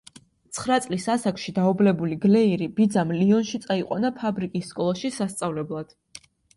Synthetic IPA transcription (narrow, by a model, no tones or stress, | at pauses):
t̪sʰχɾat̪sʼlisasakʰʃid̪aublɛbuliɡlɛiɾib̥id̪zamliɔnʃit̪sʼaiqʼwa̰napʰabɾikʼisːkʼɔlˠaʃisast̪sʼavlɛblˠad̪̥